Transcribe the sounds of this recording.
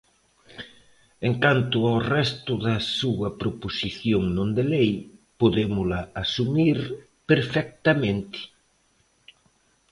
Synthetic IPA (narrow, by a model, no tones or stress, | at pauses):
eŋkant̪ʊaorɛst̪ʊðɐsuɐpɾoposiθjoŋnõnd̪elejpoðemʊlɐːsumiɾ | peɾfɛk̚t̪ɐmẽnt̪ɪ̥